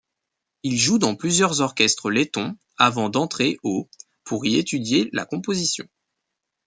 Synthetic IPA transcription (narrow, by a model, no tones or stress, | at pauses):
ilʒud̪ɑ̃plyzjœʁzɔʁkʲɛst̪χəlet̪ɔ̃ | avɑ̃d̪ɑ̃t̪χeʔo | pʰuʁiet̪yd̪jela̰kɔ̃pozisjɔ̰̃